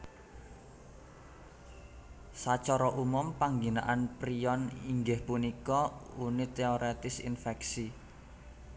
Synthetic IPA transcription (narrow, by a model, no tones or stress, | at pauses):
sat͡ʃɔɾɔʔumʊmpaŋɡina̰ʔanpɾiɔniŋɡɪhpunikɔunit̪eɔɾet̪ɪsḭnfɛksi